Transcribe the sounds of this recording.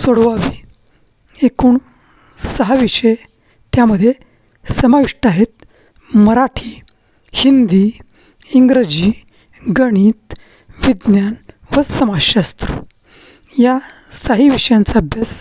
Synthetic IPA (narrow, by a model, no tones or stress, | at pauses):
soɽʋaʋi | ekuːɳ | səɦaʋiʂəj | t̪jaməd̪ʱːje | səmaʋiʂʈaɦet̪̚ | məɾaʈʰi | hind̪i | iŋɡɾəd͡ʑi | ɡəɽ̃iːt̪ | ʋid̪njanʋəsəmaɕast̪ɾə̰ | ja | saɦiʋiʂjãnt͡sabjəs